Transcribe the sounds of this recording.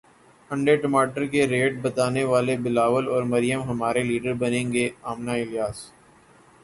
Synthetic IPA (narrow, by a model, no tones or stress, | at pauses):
hɐ̃ɳɖeʈɐmaːʈəɾkeɾeːʈ̚bɐt̪aːneʋaːlebɪlaːʋəlɔːɾmɐɾɪjəmɦɐmaːɾeliːɖəɾbɐnẽːŋɡeaːmnaɪljaːs